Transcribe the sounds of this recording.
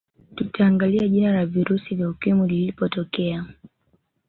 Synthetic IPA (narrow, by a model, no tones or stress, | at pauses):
tutʰaːŋɡaliaʄinalaviɾusivjaukimulilipɔtɔkɛa